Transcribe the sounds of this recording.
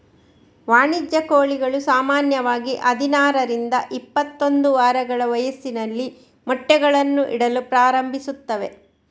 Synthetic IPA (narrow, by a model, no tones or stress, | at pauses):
ʋaːɳid͡ʒjɐkoːɭiɡɐɭusaːmaːnjɐʋaːɡiʔɐd̪ʱinaːɾɐɾind̪ɐʔipːɐt̪ːond̪uʋaːɾɐɡɐɭɐʋɐjɐsːinɐlːi | mɔʈːɛɡɐɭɐnːuʔiɽɐlupɾaːɾɐmbʱisut̪ːɐʋe̞